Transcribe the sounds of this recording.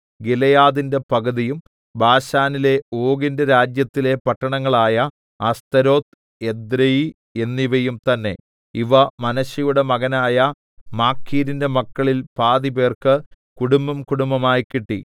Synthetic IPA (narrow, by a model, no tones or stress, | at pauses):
ɡilɐjaːðinde̞pɐɣɐðijum | bʱaːɕaːnile̞o̞ːɡindeɾaːd͡ʑjɐt̪ːile̞pɐʈːɐɳɐŋːɐɭaːjɐ | ɐst̪ɐɾo̞ːt̪ | ed̪ɾɐji | e̞nːiʋɐjumt̪ɐnːe̞ | iʋɐmɐnɐɕjɐjuɽe̞mɐɣɐnaːjɐ | maːkʰːiːɾinde̞mɐkːɐɭilpaːðibe̞ːrkɨ | kuɽumbɐmkuɽumbɐmaːjkiʈːḭ